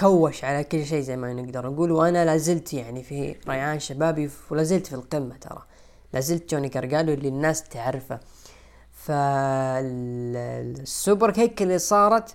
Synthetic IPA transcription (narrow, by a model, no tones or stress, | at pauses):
kawːaʃʕalakʊlːʃ̬eːzajmanɪɡd̪ɑɾˤʔaɡuːlwʔanalaːzɪlt̪jaʕnifiɾˤajʕaːnʃabaːbiwlaːzɪlt̪filqɪmːat̪ʰɑ̰ɾˤɑ̰ | lʔaːzɪlt̪d͡ʒoːniɡɑɾˤɡaːluɪlːinːaːst̪aʕɾfa | fa | sːʊbɾˤheːkɪlːisˤɑːɾˤɑt̪